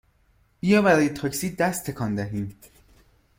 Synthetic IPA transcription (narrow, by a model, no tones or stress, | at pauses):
b̥ijɒːbæɾɒːje̞t̪ʰɒːcsiːd̪æst̪ʰːe̞kʰɒːnd̪æɦiːm